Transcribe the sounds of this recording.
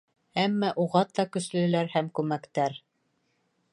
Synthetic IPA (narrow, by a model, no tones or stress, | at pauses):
æmːæʔuʁɑt̪ːɑkɵ̆slɘ̆læɾhæmkʉmækt̪æɾ